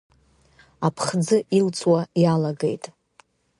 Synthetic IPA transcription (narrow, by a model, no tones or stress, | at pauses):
apʰχd͡zɨʔilt͡sʼwajalaɡejtʼ